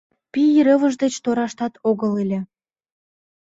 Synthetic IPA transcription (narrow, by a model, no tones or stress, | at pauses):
piiɾə̆βəʒd̪et͡ɕt̪oɾɑʃt̪ɑt̪ʰoɣəlelʲĕ